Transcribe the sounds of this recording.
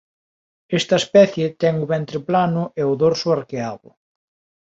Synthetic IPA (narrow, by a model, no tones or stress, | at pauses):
est̪ɐespɛθjet̪ɛŋuβɛnt̪ɾɪplanʊʔeʊðoɾsʊaɾkeaβʊ̰